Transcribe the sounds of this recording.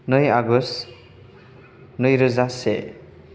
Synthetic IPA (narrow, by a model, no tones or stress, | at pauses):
nʌjaɡɔs | nʌjɾɯzasḛ